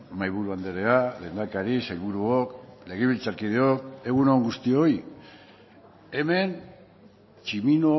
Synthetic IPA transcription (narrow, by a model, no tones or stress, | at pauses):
majβuɾuand̪e̞ɾe̞alend̪akaɾisajβuɾuokle̞ɣ̞iβilt͡saɾkið̞eoke̞ɣunoŋɡust̪io̞j | e̞me̞n | t͡ʃimino